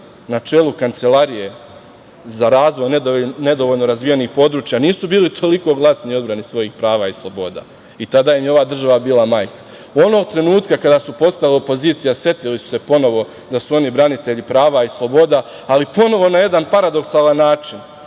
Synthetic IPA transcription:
nat͡ʃe̞lukant̪se̞lˠaɾije̞ | zaɾaːzʋo̞jnne̞d̪oʋo̞ʎno̞ɾazʋijenixpo̞d̪ɾuːt͡ʃjaniːsubiːlit̪ʰo̞liko̞ɡlˠaːsniiod̪bɾanisʋo̞jixpɾaːʋaislˠo̞bo̞ːd̪a̰ | it̪ad̪aːjimjeo̞ʋaːd̪r̩ʒaʋabiːlˠamaːjkḁ | o̞noɡ̚t̪ɾe̞nuːt̪kakad̪asupo̞t̪st̪alopo̞ziːt̪sijase̞t̪ilisu̥se̞po̞no̞ʋo̞ | d̪asuo̞nibɾanit̪e̞ʎipɾaːʋaislˠo̞bo̞ːd̪aː | lipo̞no̞ʋo̞naje̞d̪anpaɾad̪o̞ksalˠanːaːt͡ʃin

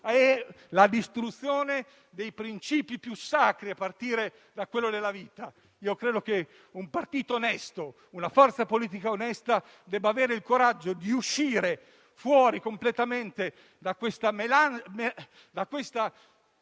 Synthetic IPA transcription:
ɛ | lad̪ist̪ɾut̪sːjoːne | d̪ejpɾint͡ʃiːpipjusakɾiapːart̪iːɾe | d̪akːwelːod̪elːaviːt̪a | iːokɾeːd̪ok̟e | umpart̪iːt̪oːnɛst̪o | unafɔrt̪sapoliːt̪̬ikaonɛst̪a | d̪ɛbːaːveːɾeilkoɾad͡ʒːod̪iuʃːiːɾe | fwɔːɾikomplet̪ament̪e | d̪akwest̪amelanme | d̪akːwest̪a

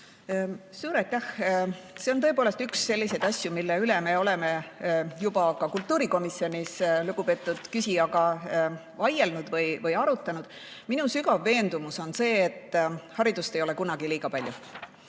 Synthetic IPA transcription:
suːɾɑjt̪ːæhse̞ot̪ɤ̞epoːle̞st̪yksːe̞lːise̞d̪ɑsʲjumilːeyleme̞o̞le̞me̞jub̥ɑkɑkult̪ːˑuːɾiko̞misːjo̞nʲisluɡ̥upe̞ːt̪ːˑud̪̥kysiɑɡɑ | vɑje̞lnud̪̥vɤjvɤjɑɾut̪ːˑɑnud̪̥ | minusyɡɑvːe̞ːnd̪̥umuso̞nse̞ːt̪ːˑhɑɾid̪̥ust̪e̞jo̞le̞kunɑɡ̥iliːɡ̥ɑpɑlʲjṵ

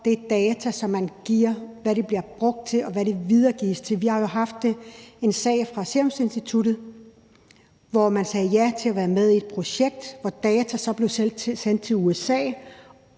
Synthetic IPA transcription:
d̥e̝d̥ɛːt͡sʰæsɒ̽mːænɡ̥iɐ̰ʋæɾeb̥liɐb̥ʁɔ̽ɡ̥̚d̥̚t͡sʰe̝lɒ̽ʋæɾe̝ʋið̞ˠɐːɡ̥ḭːst͡sʰe̝lʋihɑ̈jo̝ɦɑ̈fd̥ee̝nsɛ̰ɪfʁɑ̈seɐmse̝nsd̥it͡sʰud̥ð̩ˠ | ʋɒmænsɛːjæt͡sʰe̝æʋæːɐmeð̞ˠied̥̚pʰʁo̝ɕeɡ̥̚d̥ʋɒd̥ɛːt͡sʰæsɒ̽b̥le̝ʊssen̰d̥t͡sʰe̝uesɛ̰ː

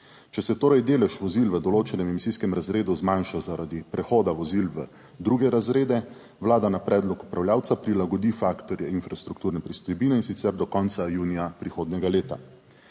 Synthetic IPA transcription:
t͡ʃɛsɛt̪oːɾajd̪eːlɛʃʋɔzilʋəd̪ɔloːt͡ʃɛnɛmɛmisiːskɛmɾazɾeːd̪uzmanʃazaɾad̪ipɾɛxoːd̪aʋɔzilʋə | d̪ɾuɡɛɾazɾeːd̪ɛ | wlaːd̪anapɾɛːd̪lɔku̥pɾawljaːwt̪sapɾilaɡɔd̪ifakt̪ɔɾjɛinfɾast̪ɾukt̪uːɾnɛpɾist̪ɔjbiːnɛinsit̪sɛɾd̪ɔkɔnt̪sajuːnijapɾixoːd̪nɛɡaleːt̪a̰

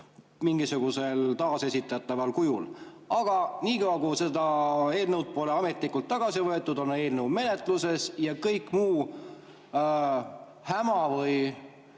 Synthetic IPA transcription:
miŋɡ̥isuɡ̥use̞lt̪ɑːse̞sʲit̪ːˑɑɑt̪ːˑɑvɑlkujul | ɑɡ̥ɑniːkɑwɑkuse̞d̪ɑe̞ːlnewd̪̚po̞leɑme̞t̪ˑlikːˑult̪ːɑɡ̥ɑsivɤe̞t̪ːˑud̪̥o̞ne̞ːlnewme̞ne̞t̪ˑluse̞sjɑkɤjkːˑmuː | hæmɑvɤj

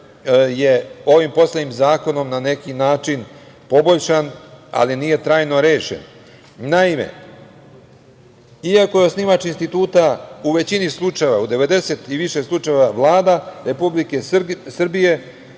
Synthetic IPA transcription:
je̞o̞ʋimpo̞slˠed̪nimzaːko̞no̞mnane̞kinaːt͡ʃin | po̞bo̞ʎʃana̰linije̞t̪ɾaːjno̞ɾe̞ːʃḛn | naime̞̰ | iako̞jeosnimat͡ʃinst̪it̪uːt̪auʋe̞t͡ɕinislˠut͡ʂajeʋaud̪e̞ʋe̞d̪e̞se̞t̪iʋiʃe̞slˠut͡ʃaeʋaʋlˠaːd̪aɾe̞publike̞sr̩bije̞

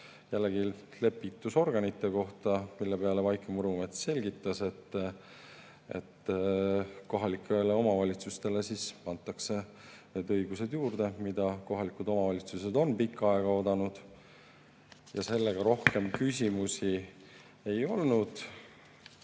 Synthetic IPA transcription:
jælːeɡi | le̞pːˑit̪ːˑuso̞rɡ̥ɑnit̪ːˑe̞ko̞ht̪ɑmilːe̞pe̞ɑle̞vɑjkˑemuɾumet̪se̞lʲɡit̪ˑːɑse̞t̪ːˑ | ḛt̪ː | ko̞ɦɑlikːˑeleo̞mɑvɑlʲit̪sust̪e̞le̞sisɑnt̪ːˑɑkse̞ | ne̞d̪ɤjɡ̥use̞d̪̥juːrd̪̥e̞mid̪ɑko̞ɦɑlikud̪o̞mɑvɑlʲit̪suse̞d̪o̞npikːˑɑe̞ɡ̥ɑo̞d̪ɑnud̪̥ | jɑse̞lːeɡ̥ɑɾo̞hke̞mkys̬ʲimusi | e̞jo̞lnud̪̥

